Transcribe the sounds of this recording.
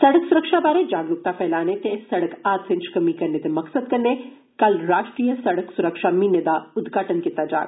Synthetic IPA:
sɐɽəksʊɾəkʃabaːɾed͡ʒaːɡlʊk̚t̪apʰɛːlaːnet̪esɐɽəkaːt̪sɪ̃nt͡ʃkɐmikɐɾnet̪emɐksəd̪̚kɐɾne | kɐlɾaːʃʈɾiːjəsɐɽəksʊɾəkʃamined̪aʊd̪ɡʱaːʈənkit̪ad͡ʒa̰ːɾ

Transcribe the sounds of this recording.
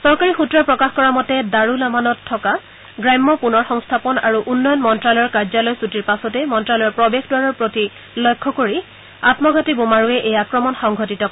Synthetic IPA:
sɔɹkaɹixutɹɔpɹɔkaxkɔɹamɔtɛdaɹulamanɔtʰːɔka | ɡɹajmːɔpunɔɹxɔŋstʰapɔna̰ɹuʔunːɔjɔnmɔntɹalɔɔɹkaɹzalɔjsutiɹpasɔtɛmɔntɹalɔjɔɹpɹɔbexdwaɹɔɹpɹoti | lɔjkʰːɔkoɹi | atmɔɡʱɔtibomaɹuɛʔejakɹɔmɔnxɔŋɡʱɔtitɔ

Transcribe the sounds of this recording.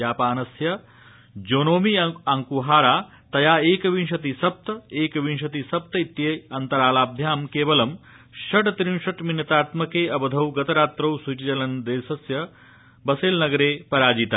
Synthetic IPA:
jaːpaːnɐsjɐ | d͡ʒoːnoːmiɐŋkuɦaːɾaː | t̪ɐjaːeːkɐʋinʃɐt̪isɐp̚t̪ɐeːkɐʋinʃɐt̪isɐp̚t̪ɐit̪jeɐnt̪ɐɾaːlaːb̚d̪ʱjaːmkeːʋɐlɐm | ʃɐʈt̪ɾinʃɐʈminːɐt̪aːt̪mɐkeːɐbɐd̪ʱɐwɡɐt̪ɐɾaːt̪ɾɐwsut͡ʃit͡ʃɐlɐnd̪eːsɐsjɐ | bɐseːlnɐɡɐɾeːpɐɾaːd͡ʒit̪a

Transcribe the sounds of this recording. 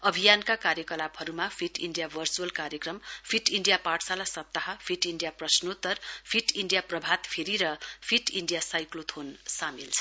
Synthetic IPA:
ʌbʱijankakaɾjʌkʌlabɦʌɾumapʰiʈiɳɖijabʱʌrt͡suʌlkaɾjekrʌmpʰiʈiɳɖijapaʈsalasʌp̚t̪aɦʌpʰiʈiɳɖijaprʌsnot̪ʌrpʰiʈiɳɖijaprʌbʱat̪pʰeɾiɾʌpʰiʈiɳɖijasajklot̪ʰonsamilt͡sʰʌ̥

